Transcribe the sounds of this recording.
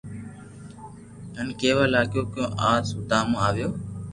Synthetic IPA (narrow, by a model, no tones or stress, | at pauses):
ɦənkeːʋaːlaːkjoːkjõːʔaːsʊt̪aːmõːaːʋɪjoː